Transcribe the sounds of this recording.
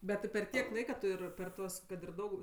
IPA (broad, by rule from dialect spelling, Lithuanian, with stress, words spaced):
bʲɛt tʲɪ pʲɛr ˈtʲiɛk ˈlˠɐɪkɐ ˈtʊ ɪr pʲɛr ˈtuɔs kɐt ɪr ˈdɐʊk